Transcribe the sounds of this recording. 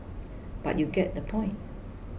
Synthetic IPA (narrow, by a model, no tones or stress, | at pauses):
b̥a̰ʔjuɡɛt̚d̪əpʰɔ̃ɪ̃nt̚